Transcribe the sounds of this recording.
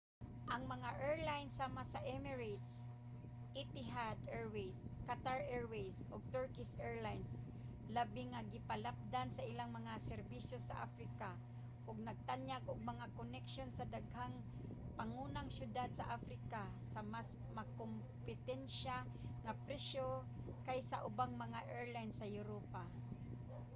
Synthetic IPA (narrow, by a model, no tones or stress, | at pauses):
ʔaŋmɐŋaʔɛɹlajnsamasaʔɛmɛɹat̪s | ʔit̪ɪɦad̪ɛɹwejskat̪aɹʔɛɹwejsʔʊɡ̚t̪ɔɹkɪsɛɹlajns | labɪŋːaɡɪpalap̚d̪ansaʔɪlaŋmɐŋasɛɾbisjosaʔa̰fɾɪka | ʔʊɡ̚naɡ̚t̪anjaɡʊɡ̚maŋakonɛkʃonsad̪aɡhaŋ | paŋunaŋsjʊd̪ad̪̚saʔafɾɪka | samas | makom | pɪt̪ɛnʃa | ŋapɾɛʃo | kajsa̰ʔʊbaŋmɐŋaʔɛɹlajnsːajʊɾopa